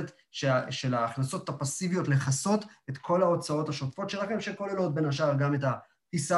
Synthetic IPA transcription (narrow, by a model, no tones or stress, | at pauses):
t | ʃeʃe̞laːχnaso̞tːapasivijo̞tle̞χaso̞tet̪kʰo̞lao̞t͡sao̞taʃotfo̞tʃelaχafʃeko̞lelo̞t̚be̞naʃaʁɡameta | tisa